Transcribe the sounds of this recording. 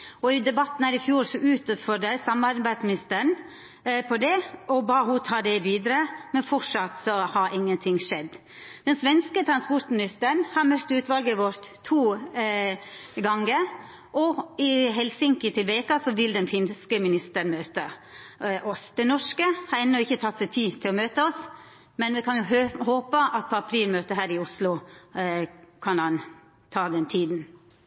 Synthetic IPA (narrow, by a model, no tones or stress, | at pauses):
ɔɪd̪ɛbɑt̪ːn̩hæːɾɪfjuːɾsɔʉːt̪fɔɾɖ̪ɛɪsɑmɑɾbæɪd̪smɪnɪst̪əɾəɳ | pʰɔd̪ɛɔbɑːhut̪ʰɑːd̪ɛʋiːd̪ɾəmɛnfɔʂɑt̪sɔhɑɾʔɪŋːənt̪ʰɪŋʂɛd̪ː | d̪̥ɛnsʋɛnskət̪ʰɾɑnspɔɾt̪mɪnɪst̪əɾɳhɑɾmœt̪ːʉːt̪ʋɑlɡəʋɔɾt̪ʰːuː | ɡɑŋːə | ʔɔɪɦɛlsɪŋkət̪ʰɪlʋeːkɑsɔʋɪld̪ɛnfɪnskəmɪnɪst̪əɾɳmøːt̪ə | ʔɔsd̪̥ɛnɔʂkəhɑɾɛnːɔɪçːət̪ʰɑt̪ːsɛɪt̪ʰiːt̪ʰɪlɔmøːt̪əɔs | mɛnʋɪkʰɑnjʊhoːpəʔɑt̪̚pʰoɑpʰɾiːlmøːt̪əɦæːɾɪʊslʊ | kʰɑnhɑn | t̪ʰɑːd̪ɛnt̪ʰiːd̪n